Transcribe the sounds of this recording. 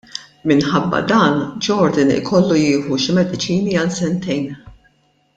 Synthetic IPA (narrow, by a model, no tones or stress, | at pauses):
mɪnħɐbːɐ̰d̪ɐːnd͡ʒɔɾd̪ɪnɪ̰kʰɔlːujɪːħuʃɪmɛd̪ɪt͡ʃiːniɐlsɛnt̪ɛjn